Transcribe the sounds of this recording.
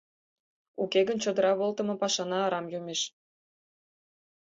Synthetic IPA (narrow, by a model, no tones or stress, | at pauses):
ukeɣənt͡ɕod̪əɾɑβolt̪ə̆mɤ̆pɑʃɑnɑːɾɑmjumeʃ